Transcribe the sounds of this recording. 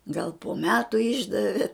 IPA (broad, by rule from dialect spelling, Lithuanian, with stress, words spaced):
ɡɐlˠ poː ˈmʲæːtʊ ˈɪʒdɐʋʲɪ